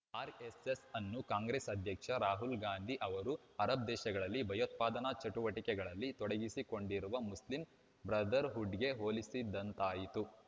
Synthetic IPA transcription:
aːɾesesɐnːukaːŋɡɾeːsɐd̪ʱjɐkʂɐɾaːɦulɡaːnd̪ʱiʔɐʋɐɾu | ɐɾɐb̚d̪ɛːʃɐɡɐɭɐlːibʱɐjot̪̚paːd̪ɐnɐt͡ʃɐʈuʋɐʈikɛɡɐɭɐlːit̪ɔɽeɡisiko̞ɳɖiɾuʋɐmuslim | bɾɐd̪ɐɾɦuɖɡe̞ɦoːlisid̪ːɐnt̪aːjit̪u

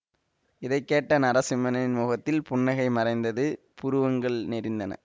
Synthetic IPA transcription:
ɪðɐɪkːeːʈːɐnɐɾɐsɪmɐnɐɪnmuːɣɐt̪ːɪlpʊɳːɐɣɐɪmɐɾɐɪnd̪ɐðɯ | pʊɾɯʋɐŋɡɐɭnɛɾɪnd̪ɐnɐ̰

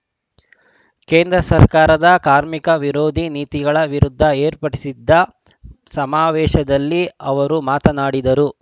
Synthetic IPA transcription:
keːnd̪ɾɐsɐɾkaːɾɐd̪ɐkaːɾmikɐʋiɾoːd̪ʱiniːt̪iɡɐɭɐʋiɾud̪ʱːɐeːɾpɐʈisid̪ːɐ | sɐmaːʋɛːʃɐd̪ɐlːiɐʋɐɾumaːt̪ɐnaːɽid̪ɐɾu

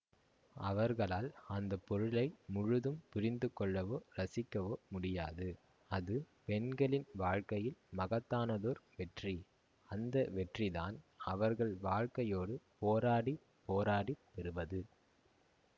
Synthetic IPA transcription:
ɐʋɐɾɣɐɭaːlɐnd̪ɐpːɔɾɯlɐɪmʊɻʊðɯmpʊɾɪnd̪ɯkːɔɭːɐʋoːɾɐsɪkːɐʋoːmʊɽɪja̰ːðɯ | ɐðɯ | pɛnɡɐɭɪnʋaːɻkɐjɪlmɐɣɐt̪ːaːnɐðoːɾʋɛʈri | ɐnd̪ɐʋɛʈriða̰ːnɐʋɐɾɣɐɭʋaːɻkɐjoːɽɯpoːɾaːɽi | poːɾaːɽipːɛɾɯʋɐðɯ

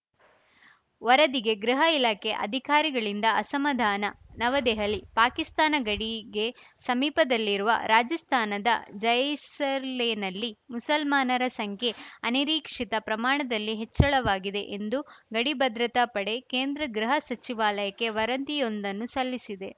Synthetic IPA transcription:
ʋɐɾɐd̪iɡe̞ɡɾiɦɐilaːkʰe̞ʔɐ̰d̪ʱikaːɾiɡɐɭind̪ɐːsɐmɐd̪ʱaːnɐnɐʋɐd̪ɛːɦɐlipaːkist̪aːnɐɡɐɽiɡe̞ | sɐmiːpɐd̪ɐlːiɾuʋɐ̰ɾaːd͡ʒɐst̪ʰaːnɐd̪ɐ̰d͡ʒɐjsɐlenɐlːimusɐlmaːnɐɾɐsɐŋkʰe̞ɐniɾiːkʂit̪ɐpɾɐmaːɳɐd̪ɐlːiɦet͡ʃːɐɭɐʋaːɡid̪e̞ʔend̪uɡɐɽibɐd̪ɾɐt̪apɐɽe̞keːnd̪ɾɐɡɾiɦɐsɐt͡ʃiʋaːlɐjɐkːe̞ʋɐɾɐnt̪ijo̞nd̪ɐnːusɐlːisid̪e̞

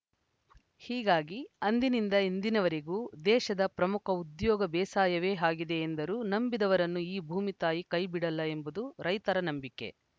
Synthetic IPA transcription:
hiːɡaːɡiɐnd̪inind̪ɐind̪inɐʋɐɾeɡuːd̪ɛːʃɐd̪ɐpɾɐmukʰɐud̪jɔːɡɐbɛːsaːjɐʋeːɦaːɡid̪e̞ːnd̪ɐɾuːnɐmbid̪ɐʋɐɾɐnːuiːbʱuːmit̪aːjikɐjbiɽɐlːɐe̞mbud̪uɾɐjt̪ɐɾɐnɐmbikːe̞̰

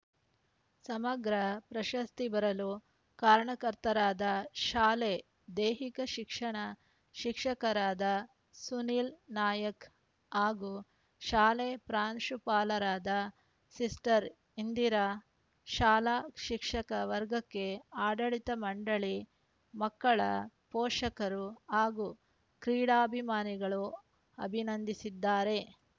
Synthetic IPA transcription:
sɐmɐɡɾɐpɾɐʃɐst̪ibɐɾɐlu | kaːɾɳɐkɐɾt̪ɐɾaːd̪ɐʃaːleː | d̪eːɦikɐʃikʂɐɳɐ | ʃikʂɐkɐɾaːd̪ɐ | suniːlnaːjɐk | ɦaːɡuː | ʃaːleːpɾaːnʂupaːlɐɾaːd̪ɐ | sisʈɐɾ | ind̪iɾɐ | ʃaːlaːʃikʂɐkɐʋɐɾɡɐkːe̞aːɖɐɭit̪ɐmɐɳɖɐɭi | mɐkːɐɭɐpoːʂɐkɐɾuaːɡuː | kɾiːɽaːbʱimaːniɡɐɭu | ɐbʱinɐnd̪isid̪ːaːɾe̞

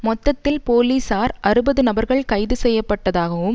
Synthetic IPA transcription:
mɔt̪ːɐt̪ːɪlpoːliːsaːɾʔɐɾɯbɐðɯnɐbɐɾɣɐɭkɐɪðɯsɛjːɐpːɐʈːɐðaːɣɐʋɯm

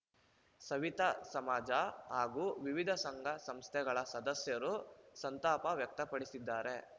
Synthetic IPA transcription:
sɐʋit̪ɐsɐmaːd͡ʒɐɦaːɡuːʋiʋid̪ʱɐsɐŋɡʱɐsɐmst̪ʰɛɡɐɭɐsɐd̪ɐsjɐɾusɐnt̪aːpɐʋjɐk̚t̪ɐpɐɽisid̪ːaːɾe̞

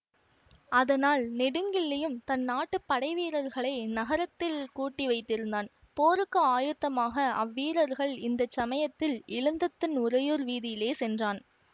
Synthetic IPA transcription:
ɐðɐnaːlnɪɽɯŋɡɪɭːɐjɯmt̪ɐnːaːʈːɯpːɐɽɐɪʋiːɾɐɾɣɐɭɐɪnɐɣɐɾɐt̪ːɪlkuːʈːiʋɐɪt̪ːɪɾɯnd̪aːn | poːɾɯkːɐaːjɯt̪ːɐmaːɣɐʔɐʋːiːɾɐɾɣɐɭɪnd̪ɐt͡ʃːɐmɐjɐt̪ːɪlɪɻɯnd̪ɐt̪ːɯnʊɾɐjuːɾʋiːðɪjɪleːsɛndraːn

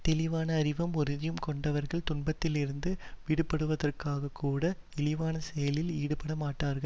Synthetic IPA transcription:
t̪ɛlɪʋaːnɐːɾɪʋɐmɔɾɯðɪjɯmkɔɳɖɐʋɐɾɣɐɭt̪ʊɳbɐt̪ːɪlɪɾɯnd̪ɯʋiɽɯpːɐɽɯʋɐðɐrkaːɣɐkʰːuːɽɐ | ɛlɪʋaːnɐsɛjɐlɪliːɽɯpɐɽɐmaːʈːaːɾɣɐɭ

